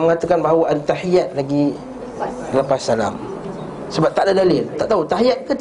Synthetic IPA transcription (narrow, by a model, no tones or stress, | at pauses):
məŋat̪akanbaɦawaʔadat̪aħijat̪̚laɡi | dalampasala̰m | səbap̚t̪aʔdadalɪlt̪aʔt̪aut̪aɦijat̪̚kət̪